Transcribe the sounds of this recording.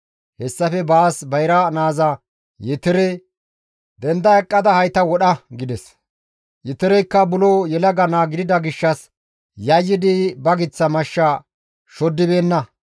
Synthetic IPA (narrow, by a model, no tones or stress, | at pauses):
hɛsːɐfɛbaːsbɐjɾɐnaːzɐ | jɛt̪ɪɾɛ | d̪ɛnd̪ɐɛkʼːɐd̪ɐhɐjt̪ɐwɔɗɐɡɪd̪ɛs | jɛt̪ɪɾɛjkːɐbʊloːjɛlɐɡɐnaːɡɪd̪ɪd̪ɐɡɪʃːɐs | jɐjːɪd̪ɪbɐɡɪt͡sːɐmɐʃːa | ʃɔd̪ːɪbe̞ːnːɐ